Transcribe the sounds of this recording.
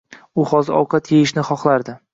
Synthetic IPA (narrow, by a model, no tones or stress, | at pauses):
ʊhɒzɒ̰wqʰɑt̪ʰejɪʃnɪχɒχlˠaɾd̪ɪ